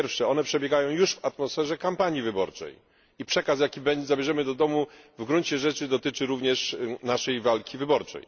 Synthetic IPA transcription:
ɛɾfʂɛɔnɛpʂɛbʲjɛɡajɔ̃w̃juʂvat̪mɔsfɛʐɛkampaɲjivɘbɔɾt͡ʂɛ̰j | ipʂɛkas̬jakʲibɛzabʲjɛʐɛmɘd̪ɔd̪ɔmuvɡɾuɲt͡ɕɛʐɛt͡ʂɘd̪ɔt̪ɘt͡ʂɘɾuvɲɛʂnaʂɛjvalkʲivɘbɔɾt͡ʂɛ̰j

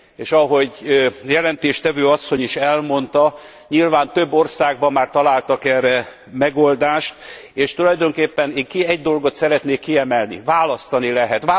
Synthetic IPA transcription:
eːʃɒɦo̞ɟjɛlɛnt̪eːʃt̪ɛvøːɒsːo̞ɲiʃɛlmo̞nt̪ɒ | ɲilvaːnt̪ø̞bːo̞rsaːɡ̚bɒmːaːrt̪ɒlaːlt̪ɒkɛrɛ | mɛɡold̪aːʃt̪eːʃt̪ulɒjd̪o̞ŋkeːpːɛneːŋkiɛɟd̪o̞lɡo̞t̪sɛɾɛt̪neːkːiɛmɛlnḭvaːlɒst̪ɒnilɛɦɛt̪ː

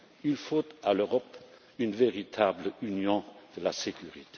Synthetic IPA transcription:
ilfot̪aløʁɔp | ynveʁit̪ʰabləynjɔ̃d̪̥əlasekʰyʁit̪e

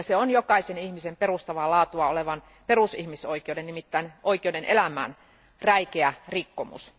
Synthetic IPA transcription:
ɑseonjokɑisenihmisemperust̪ɑʋɑlɑːt̪uɑoleʋɑn | perusihmisoikˑeodennimit̪ːæinʔoikiodenʔelæmæ̰ːn | ræikeærikːomṵs

